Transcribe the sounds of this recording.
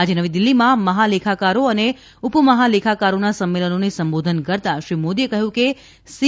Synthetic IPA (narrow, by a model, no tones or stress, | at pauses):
ad͡ʒenəʋid̪ɪlːimãməɦalekʰakaɾoəne | upəməɦalekʰakaɾonasəmːelənonesəmbod̪ʱənkəɾt̪aʃɾimod̪iekəɦjũke | si